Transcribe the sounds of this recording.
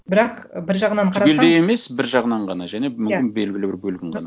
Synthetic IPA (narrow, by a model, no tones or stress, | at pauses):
bɪɾɑq | bɪɾʒɑʁənɑɴqʰɑɾɑeld̪eje̞me̞sbɪɾʒɑʁənɑɴʁɑnɑʒæne̞mʏmʲɪnbe̞lɡʲɪlɪbɪɾbɵlɡʲɪɴʁɑ̰nɑ